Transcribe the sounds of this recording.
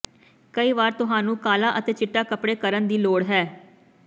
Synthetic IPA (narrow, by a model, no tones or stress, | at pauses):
kəiːʋaːɾt̪ʊɦaːnũːkaːlaːʔət̪eːt͡ʃɪʈːaːkəpɽeːkəɾənd̪iːloːɽɦɛː